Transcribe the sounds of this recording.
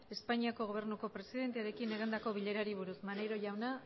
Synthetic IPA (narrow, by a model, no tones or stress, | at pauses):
e̞spaɲiako̞ɣo̞β̞e̞ɾnuko̞pɾe̞siðe̞nt̪eaɾe̞kine̞ɣ̞ind̪ako̞βiʎe̞ɾaɾiβ̞uɾusmane̞ɾo̞ʝawna